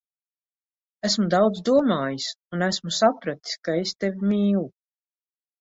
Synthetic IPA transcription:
æsmud̪awd̪zd̪uɔmaːjisunæsmusapɾat̪i̥skaest̪evimiːlu

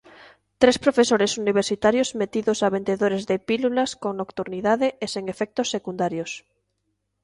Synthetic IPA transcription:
t̪ɾespɾofesoɾesuniβ̞eɾsit̪aɾjozmet̪iðosaβend̪eðoɾezðepilulaskoŋnokt̪uɾniðaðeeseŋefɛk̚t̪osːekund̪aɾjos

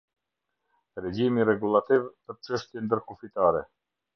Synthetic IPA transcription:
ɾɛd͡ʑimirɛɡulˠat̪ivpəɾt͡ʃəʃt̪jɛnd̪əɾkufit̪aɾɛ

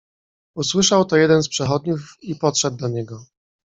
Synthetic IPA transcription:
uswɘʂawt̪ɔjɛd̪ɛnspʂɛxɔd̪̚ɲufipɔt̪ʂɛd̪ːaɲɛɡɔ

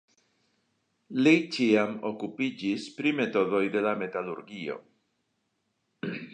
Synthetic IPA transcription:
lejt͡ʃiamo̰kupid͡ʒispɾimet̪oðojðelamet̪alṵɾɣio̰

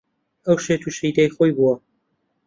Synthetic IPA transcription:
ɐwʃet̪uʃid̪ejxojbuwɐ

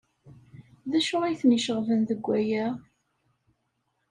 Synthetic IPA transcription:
ðæʃʊʁijθniʃəʁvənðəɡʷːæjæ

